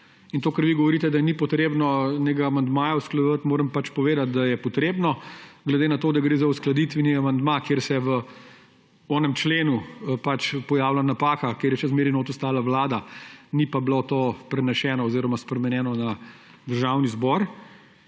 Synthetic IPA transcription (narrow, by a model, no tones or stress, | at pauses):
int̪oːkɐɾʋiɡɔʋɔɾiːt̪ɛd̪anipɔt̪ɾeːbnɔneɡaːmand̪maːjausklɐd̪ʋət̪moːɾəmpat͡ʃpɔʋeːd̪at̪̚d̪ajɛpɔt̪ɾeːbnɔɡlɛd̪eːnat̪oːd̪aɡɾeːzausklɐd̪it̪ʋɛniamand̪makjeːɾsɛʋə | ɔnɛmt͡ʃleːnupat͡ʃpɔjaːwlanapaːkakjeːɾjɛt͡ʃɛzmeːɾinoːt̪ust̪aːlaʋlaːd̪anipablot̪oːpɾɛnɛʃɛːnɔːziːɾɔmaspɾɛmɛnjɛːnɔna | d̪əɾʒaːwnizbɔɾ